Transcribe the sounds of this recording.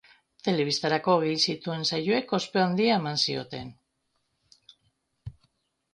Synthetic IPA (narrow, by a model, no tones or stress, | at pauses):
t̪e̞le̞β̞ist̪aɾako̞ɣejsit̪ue̞nsajoe̞ko̞spe̞and̪iaemansio̞t̪e̞n